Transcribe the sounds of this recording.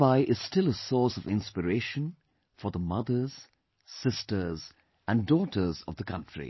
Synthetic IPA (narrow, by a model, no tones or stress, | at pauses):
baɪʔɪz̥stɪlˠəsɔɹsʌvɪ̃nspəɹeɪʃə̃n | fə˞ðəmʌðə˞z̥ | sɪstə˞z | æ̃ndɔːɾə˞zʌ̰vðəkʰʌ̃ntɹ̥ḭ